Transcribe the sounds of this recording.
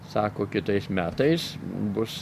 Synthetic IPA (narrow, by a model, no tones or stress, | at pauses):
sɑːkoːkʲɪt̪ɐɪsmʲæːt̪ɐɪsbʊs